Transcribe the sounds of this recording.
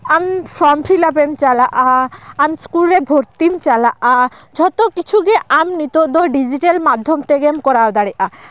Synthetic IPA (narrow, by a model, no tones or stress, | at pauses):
amsɔmpʰilapemt͡ʃalaʔaːmskulɾɛbʱoɾt̪imt͡ʃalaʔa | d͡ʒʱɔt̪ɔkit͡ʃʰuɡɛʔamnit̪ɔd̪ɔɖid͡ʒiʈalmad̪ʱːɔmt̪ɛɡɛmkɔɾawd̪aɽɛʔa